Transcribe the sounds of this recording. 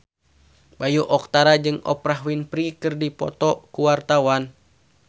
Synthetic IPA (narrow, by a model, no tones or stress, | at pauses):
bajuʔɔk̚t̪aɾad͡ʒɨŋɔ̰pɾaɦwinpɾikɨrdipɔ̰t̪ɔkuwart̪awan